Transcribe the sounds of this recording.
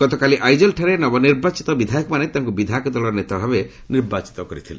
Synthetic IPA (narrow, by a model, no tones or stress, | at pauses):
ɡɔt̪ɔkaliʔajd͡ʒɔlʈʰaɾenɔbɔniɾbat͡ʃit̪ɔbid̪ʱajɔkɔmanet̪aaŋkubid̪ʱakɔd̪ɔlɔɾnet̪abʱabe | niɾbat͡ʃi̥t̪ɔkɔɾit̪ʰilḛ